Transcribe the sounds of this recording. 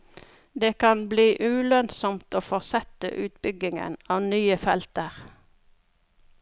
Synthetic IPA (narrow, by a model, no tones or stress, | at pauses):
d̪eːkʰɑnbliːʔʉːlœnsɔmt̪oːfɔʁsɛt̪ə̰ʔʉːt̪bʏɡɪŋə̰nɑːʋnyːəfɛlt̪əʁ